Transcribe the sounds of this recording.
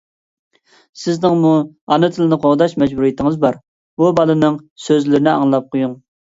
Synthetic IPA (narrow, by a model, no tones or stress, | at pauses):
sɪznɪŋmuɑnɨt̪ʰɨlɪnɨqʰoʁd̪ɑʃmɛd͡ʒbuɾijit̪ʰɪŋɨzbɑɾ | bubɑlˠɨnɨŋsøzlɪɾɪnɪɑ̰ŋlˠɑp̚qʰojuŋ